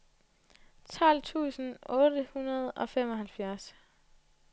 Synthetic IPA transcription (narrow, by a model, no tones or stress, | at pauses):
t͡sʰɒl̰t͡sʰṵːsn̩ɔ̽ːd̥əhunɐð̞̩ˠɒ̽fem̰ɒ̽ɦælfjæɐs